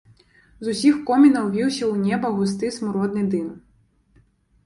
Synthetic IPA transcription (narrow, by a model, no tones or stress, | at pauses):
zʊsʲixkɔmʲinɐwʋʲiwsʲɐunʲɛbɐɦʊs̬t̪ɪsmʊɾɔd̪nɪjd̪ɪn